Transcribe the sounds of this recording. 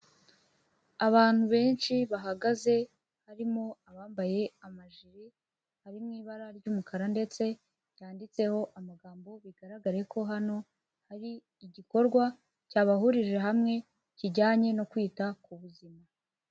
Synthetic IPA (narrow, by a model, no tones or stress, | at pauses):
aβaːn̥huβe̞ːnʃiβaɦaɡaze̞ | haɾimo̞aβaːmbaje̞amaʒiɾi | haɾimŋiːβaɾaɾɟuːmukʰaɾande̞t͡se̞ | jaːndit͡se̞ho̞ʔamaɡaːmbo̞βiɡaɾaɡaɾe̞kʰo̞ɦano̞ | haɾiː | ɟiko̞ɾɡwa | caːβaɦuɾiʒe̞ɦamŋe̞ | ciɟaːɲe̞no̞kwiːtakuβuzima